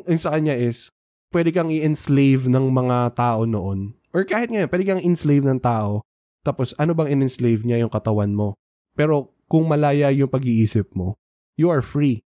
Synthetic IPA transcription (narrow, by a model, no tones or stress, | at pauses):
ɐjsɐkɐɲaʔɪs | pwɛd̪ɛkɐŋɪʔɪnslejvnɐŋmɐŋat̪aːʔo̞noʔo̞n | ʔoɹkaːhɪt̪̚ŋɐjonpwɛːd̪ɛkɐŋʔɪnslejvnɐŋt̪aːʔo̞ | t̪aːpo̞sʔɐnobɐŋɪnɪnslejvɲajʊŋkɐt̪ɐwanmo̞ | pɛːɾo̞ | kʊŋmɐlaːjɐjʊŋpɐɡiʔiːsɪp̚mo̞ | juʔɐɹfɹi